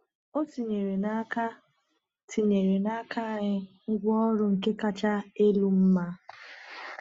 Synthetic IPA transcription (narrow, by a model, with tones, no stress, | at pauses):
o˦ti˨ɲe˨ɾe˨na˦ka˦ | tʰi˨ɲe˨ɾe˨na˦kʰa˦˨ɲɪ˦ | ŋ̩˦ɡʷɔ˦ɾʊ˦ŋ̩˨ke˦ka˦t͡ʃa˦e˦lu˦m̩˦ma˦